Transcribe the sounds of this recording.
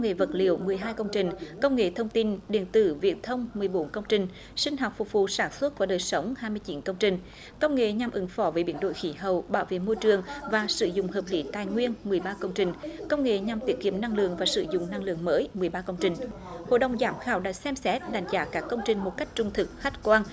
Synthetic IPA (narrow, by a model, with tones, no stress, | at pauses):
wŋ͡mŋḛ˧˨və˨˩t̚lḭ˧˨əwmɨ˨˩əjɦaː˧jkə˧wŋ͡mt͡ɕï˨˩ŋ̟kə˧wŋ͡mŋḛ˧˨t̪ʰə˧wŋ͡mt̪i˧nɗḭ˧˩ənt̪ɨ̰˧˩vḭ˨˧˩ən̚t̪ʰə˧wŋ͡mmɨ˨˩əjɓo˨˦nkə˧wŋ͡mt͡ɕï˧˩ŋ̟ | sï˧ŋ̟ɦa˨˩wk͡p̚fʊ˨˩k͡p̚vṵ˧˨saː˧˩nswə˦˥t̚ku˧˩ɗəː˨˩jsə˨˦wŋ͡mhaː˧jmɨ˧ət͡ɕi˨˦nkə˧wŋ͡mt͡ɕï˧˩ŋ̟ | kə˧wŋ͡mŋḛ˧˨ɲa˨˩mʔɨ˨˦ŋfɔ˧˦vəː˨˦ɓi˧˩ənɗo̰˧˨jxi˨˦ɦə˨˩wɓaː˧˦wvḛ˧˨mo˧jt͡ɕɨ˨˩əŋvaː˨˩sɨ˧˦zʊ̰˧˨ŋ͡mhəː˨˩p̚li˨˦t̪aː˨˩jŋwi˧ənmɨ˨˩əjɓaː˧kə˧wŋ͡mt͡ɕï˨˩ŋ̟kə˧wŋ͡mŋḛ˧˨ɲa˨˩mt̪i˨˥əkḭ˧˨əmna˧ŋlɨ̰˧˨əŋvaː˨˩sɨ̰˧˦zʊ̰˧˨ŋ͡mna˧ŋlɨ̰˧˨əŋməː˨˦jmɨ˨˩əjɓaː˧kə˧wŋ͡mt͡ɕï˨˩ŋ̟ | ho̰˧˨ɗə˨˩wŋ͡mzaː˨˦mxaː˧˩wɗa̰ː˧˥sɛ˧msɛ˦˥t̚ɗa˨˧˩jŋ̟zaː˨˦kaː˦˥kːə˧wŋ͡mt͡ɕï˧˩ŋ̟mo˨˩t̚ka˦˥k̚t͡ɕʊ˧˩ŋ͡mt̪ʰɨ˨˩k̚xa˦˥jt̚kwaː˧n